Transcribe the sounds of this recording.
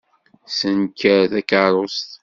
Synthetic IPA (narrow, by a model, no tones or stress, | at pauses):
sənkːəɾθækɑɾˤost̪